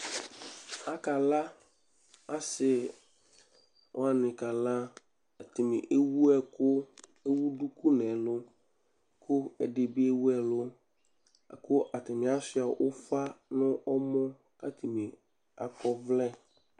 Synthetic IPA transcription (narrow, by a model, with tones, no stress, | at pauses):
a˨ka˨la˦ | a˦sɪ˨ | ɔ˦a˨nɪ̃˨ka˨la˦ | a˨tɪ˨mɪ̰̃˨ʔe˦wu˦ɛ˦kʊ˦ | e˦wu˦du˦ku˦nɛ̃˨lʊ˦ | kʰʊ˦ɛ̰˨de˨bi˦e˦wu˦ɛ˨lʊ˦ | a˨kʊ˦ʔa˨tɪ˨mɪ̃˨a˦sɪ˦a˨ʔʊ˦fa˦nʊ̃˦ʔɔ˦mɔ̃˦ | a˦tʰi˨mĩ˨ | a̰˨kɔ˦vlɛ˦˨